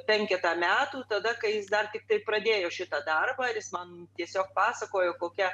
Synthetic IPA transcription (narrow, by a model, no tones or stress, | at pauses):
pʲɛŋʲkʲɛt̪ɑːmʲæːt̪uːt̪ɐd̪ɐkɐɪjɪsd̪ɐrt̪ʲɪk̚t̪ɐɪpɾɐd̪ʲeːjoːʃʲɪt̪ɐd̪ɐrbɐːɐɾʲjɪsmɐnt̪ʲiɛsʲoːk̚pɑːsɐkoːjoːkoːkʲɛ